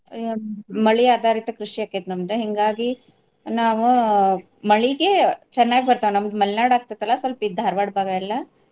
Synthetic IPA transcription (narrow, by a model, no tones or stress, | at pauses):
mɐɭiaːd̪ʱaːɾit̪ɐkɾuʂijaːkːet̪nɐmd̪eɦɛŋɡaːɡi | naːʋu | mɐɭiɡet͡ʃɐnːaːɡibɐɾt̪aːʋenɐmd̪umɐlnaːɽaːɡ̚t̪at̪ɐlːɐsʋɐlpid̪ʱaːɾʋaːɽbʱaːɡailːɐ